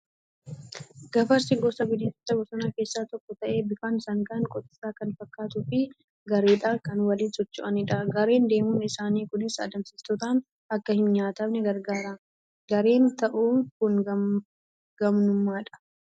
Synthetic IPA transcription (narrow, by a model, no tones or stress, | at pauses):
ɡ̥ɐfɐɾsɪɡɔsɐɡɪd̪ɪt̪ʊ̥t̪ːɐbɔsɔnakeːsːaːt̪ɔkːɔt̪ɐʔe̞ːbɪfaːnsɐŋɡɐŋkʼɔt̪ɪ̥saːkɐnfɐkːaːt̪ʊfɪ | ɡɐɾeːᶑaːkɐnwɐliːnsɔt͡ʃːʊʔɐnɪᶑɐɡɐɾe̞ːnd̪e̞ːmʊnɪsaːniːkʊnɪsɐ̰d̪ɐmsɪst̪ɔt̪aːn | ɐkːɐhɪnɲaːt̪ɐbnɛɡɐɾɡaːɾa | ɡɐɾe̞ːnt̪ɐʔuːkʊŋ | ɡ̥ɐmnʊmːaːᶑɐ̥